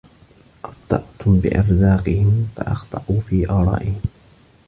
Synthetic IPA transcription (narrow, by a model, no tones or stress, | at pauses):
ʔɑbd̪̥ˤɑ̰ʔt̪ʊmbɪ̰ʔɑ̰ɾzɑːqɪhɪmfa̰ʔɑ̰xt̪ˤɑʔuːfiːʔɑːɾˤɑ̰ːʔɪhɪm